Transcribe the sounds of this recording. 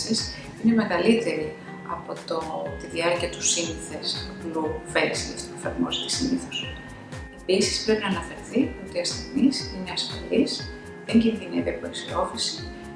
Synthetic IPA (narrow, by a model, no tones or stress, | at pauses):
is | ine̞me̞ɣɐlit̪e̞ɾi | ɐ̰po̞t̪ot̪iðiɐɾciɐt̪u̥sinθe̞sɐpluvelisilest̪oofɐɾmo̰st̪i̥siniθos | e̞pisi̥spɾe̞pinɐnɐfe̞ɾθio̞t̪iɐstenisineɐsfɐ̰lis | ðe̞ɲɟinðinit̪eɐpot̪iseo̞fisi̥